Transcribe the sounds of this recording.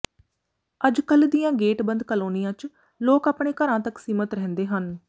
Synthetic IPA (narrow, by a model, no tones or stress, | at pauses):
əd͡ʒkəld̪ɪjãːɡeːʈbənd̪kəloːnijãːt͡ʃ | loːkaːpɳeːkəɾãːt̪əksiːmət̪ɾɛɦnd̪eːɦən